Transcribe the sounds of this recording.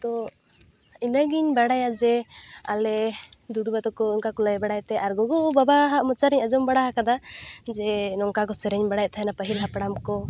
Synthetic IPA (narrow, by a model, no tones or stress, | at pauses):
t̪ɔ | inaɡiɲbaɽajad͡ʒɛalɛd̪ud̪ubat̪ɔkɔɔŋkakɔləjbaɽajt̪ɛaɾɡɔɡɔbabaɦaʔmɔt͡ʃaɾiɲad͡ʒɔmbaɽaɦakad̪ad͡ʒɛnɔŋkakɔsɛɾɛɲbaɽajt̪ʰaɦɛnapəɦilɦapɽamkɔ